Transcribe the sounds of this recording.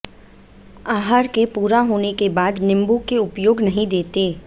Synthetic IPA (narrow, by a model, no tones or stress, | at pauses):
aːɦaɾkepuːɾaɦoːnekebaːd̪nɪ̃mbukeʊpjoːɡnɐɦĩd̪eːt̪eː